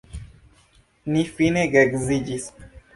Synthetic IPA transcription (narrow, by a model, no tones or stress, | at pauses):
nifinɛɡɛɡzid͡ʒis